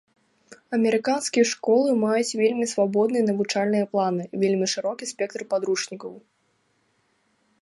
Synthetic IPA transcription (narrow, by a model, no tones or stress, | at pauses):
ɐmʲɛɾɨkanskʲijɐʂkɔlˠɨmajut͡sʲvʲelʲmʲisvabɔd̪nɨjɐnɐvut͡ʂalʲnɨjɐplˠanɨvʲelʲmʲiʂɨɾɔkʲispʲɛk̚t̪ɾɨpad̪ɾuʂnʲikɐw